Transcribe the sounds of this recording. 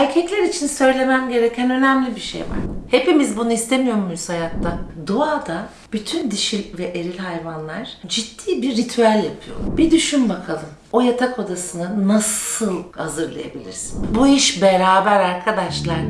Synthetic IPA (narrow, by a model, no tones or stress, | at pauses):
æɾʲcʰɛclʲæɾit͡ʃʰinsø̞jlʲe̞mæmɟe̞ɾecʰænø̞næmlʲibiʃḛjva̰ɾ̥he̞pimizbunuist̪ʰe̞mijo̞ɾmujuz̥hajak̪̚t̪ːad̪oaːd̪a | b̥yt̪ʰynd̪iʃilʲvɛʔeɾilʲɦajvanlˠaɾ̥d͡ʒit̪ʰːiːbiɾːit̪ʰyælʲjapʰɯjo̞l̰ˠbid̪yʃymbakʰalˠɯm | o̞jat̪ʰakʰo̞d̪asɯnɯnasɯlˠhazɯɾlˠa̰ja̰bḭlʲḭɾsinbuiʃbe̞ɾaːbæɾaɾkʰad̪aʃlˠaɾ